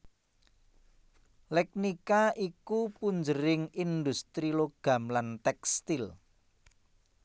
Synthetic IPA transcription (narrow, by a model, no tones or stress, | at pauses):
lɛk̚nikaʔikupuɲd͡ʒəɾɪŋind̪ust̪ɾiloɡ̥a̤mlant̪ɛkst̪il